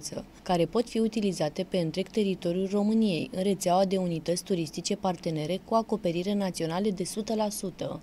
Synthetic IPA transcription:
t̪sə̰ | kaɾe̞po̞t̪fiut̪ilizat̪e̞pe̞ɨnt̪ɾe̞ɡt̪e̞ɾit̪o̞ɾijulro̞mɨnije̞jɨnre̞t̪seawad̪e̞unit̪ət̪sʲt̪uɾist̪it͡ʃe̞part̪e̞ne̞ɾe̞kuako̞pe̞ɾiɾenat̪sio̞naled̪e̞sut̪əlasut̪ə

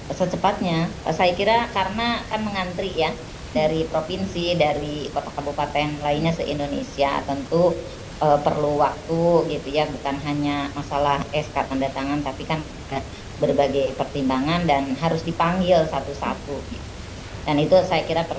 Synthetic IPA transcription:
sət͡ʃəpat̪̚ɲasajakiɾakaɾənakanməŋant̪ɾija | daɾipɾofinsidaɾikot̪akabupat̪ɛnlainɲasəʔindonḛsiaa̰t̪ənt̪u | ʔəpərluwak̚t̪uɡit̪ujabukanɦaɲamasalahɛskarpəndat̪aŋant̪apikan | ɡa | bərbaɡajpərt̪imbaŋandanɦaɾʊsdipaŋɡɪlsat̪usa̰t̪uɡit̪u | danit̪usajakiɾapər

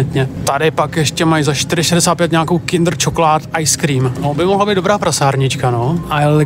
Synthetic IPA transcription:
ɛt̪ɲɛt̪adɪpakjɛʃcɛmajzaʃt̪ɪɾɪʃɛdɛsaːt̪pjɛt̪ɲaakowkɪnd̪r̩t͡ʃokolaːt̪ʔajskɾiːmnobɪmoɦlabijd̪obɾaːpɾasaːɾɲɪt͡ʃkanoʔal

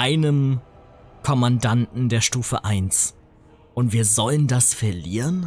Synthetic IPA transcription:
ʔaɪnəm | kʰɔmandantn̩deːɐʃtuːfəʔaɪns | ʔʊntv̥iːɐzɔləndasfɛɐliːʁən

